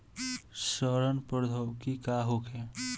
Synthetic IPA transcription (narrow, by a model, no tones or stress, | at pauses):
səɾənpəɾd̪ʱəwkikaɦokʰẽ